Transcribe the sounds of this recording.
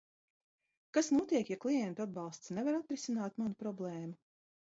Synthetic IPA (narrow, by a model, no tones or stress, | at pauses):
kasnuɔt̪iɛkjaklˠijɛnt̪uad̪̚bɑlˠst̪snevaɾat̪ɾisinaːt̪manupɾɔblˠɛːmu